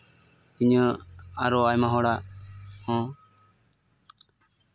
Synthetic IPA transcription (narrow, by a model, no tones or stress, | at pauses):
iɲəaɾɔajmaɦɔɽahɔ̃